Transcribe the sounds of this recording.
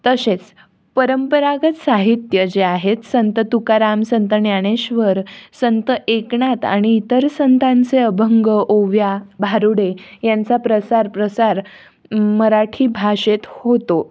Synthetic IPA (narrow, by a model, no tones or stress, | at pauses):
t̪əset͡s | pəɾəmpəɾaɡət̪saɦit̪jəd͡ʑeaɦet̪sənt̪ət̪ukaɾamsənt̪ənjaɽ̃eɕʋəɾsənt̪əʔekɳat̪a̰ɽ̃iːt̪əɾsənt̪ãnt͡seəbʱəŋɡəʔoʋjabʱaɾuɽejant͡sapɾəsaɾpɾəsaɾ | məɾaʈʰiːbʱaɕet̪hot̪o